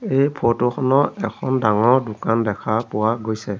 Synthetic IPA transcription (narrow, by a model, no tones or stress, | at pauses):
ejpʰotʊxʰɔnɔɛkʰɔndaŋɔɹdʊkandɛkʰapʊwaɡojsɛ